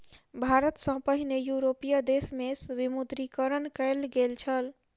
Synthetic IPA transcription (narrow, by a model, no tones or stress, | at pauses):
bʱaɾət̪sə̃pəɦinejuɾopijad̪esmesʋimud̪ɾikəɾənkəɪlɡelt͡ʃʰəl